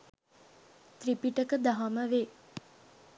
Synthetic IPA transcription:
t̪ripiʈəkəd̪aɦaməʋe

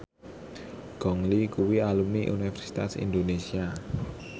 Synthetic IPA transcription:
ɡ̥ɔ̤ŋlikuwialumniʔṵnifɛrsi̥t̪a̰sḭnd̪onesia

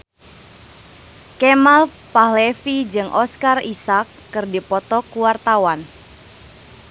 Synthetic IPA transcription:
kemal | paɦlefid͡ʒɨŋʔɔskarisakːɨrdipɔt̪ɔkuwart̪awan

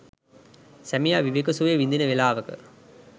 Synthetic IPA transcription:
sæmijaːʋiʋekusuʋejʋind̪inɐʋelaːʋɐkɨ̰

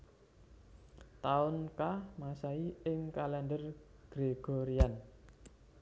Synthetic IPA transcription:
t̪aʊnkamasaiɪŋkalɛndərɡ̥ɾeɡ̥ɔɾian

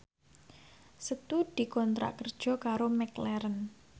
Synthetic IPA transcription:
sət̪ud̪̥i̤kɔnt̪ɾa̰ʔkərd̥ʒ̥ɔ̤kaɾomɛklɛɾən

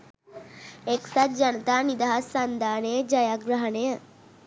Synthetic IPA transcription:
eksat̪̚d͡ʒɐnət̪aːnid̪aɦasːɐnd̪aːnejəd͡ʒɐjaɡɾəɦənejə

